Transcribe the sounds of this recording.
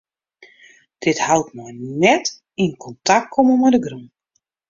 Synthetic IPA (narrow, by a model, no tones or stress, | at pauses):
d̥ɪthawtmɔjnɛt | inkʰɔntʰak̚kʰoməmadəɡrun